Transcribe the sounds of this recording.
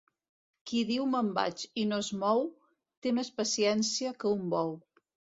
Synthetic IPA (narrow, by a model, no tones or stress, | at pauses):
kiðiwməmba̰t͡ʃinoezmɔw | t̪emespəsiɛnsiəkəumbɔw